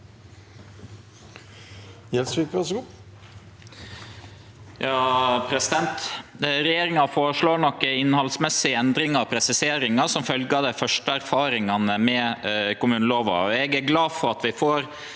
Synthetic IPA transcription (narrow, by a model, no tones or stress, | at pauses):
jɛlsʋikʋæʂɡuː | jɑːpʰɾɛsɪd̪ɛnt̪ɾɛjeːɾɪŋɑfoːɾəʂɭoːɾɳɔkːəɪnːhɑlsmɛsːɪəɛnd̪ɾɪŋɑpʰɾɛsɪseːɾɪŋɑsɔmfœlɡɑd̪æɪfœʂʈəæɾfɑːɾɪŋɑnəmɛkʊmʉːnəloːʋɑ̰ɛɡæɾɡlɑːfɔɾɑt̪ʋɪfoːɾ